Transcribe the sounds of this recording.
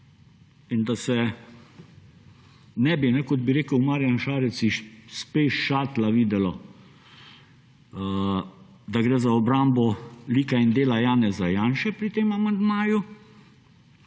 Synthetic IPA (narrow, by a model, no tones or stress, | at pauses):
ind̪asɛ | nɛbinɛkɔd̪biɾeːkəwmaːɾjanʃaːɾɛt̪siʃspeːʃʃaːt̪laʋiːd̪ɛlɔ | d̪aɡɾɛːzaɔbɾambɔliːkaind̪eːlajaːnɛzajaːnʃɛpɾit̪eːmamand̪maːju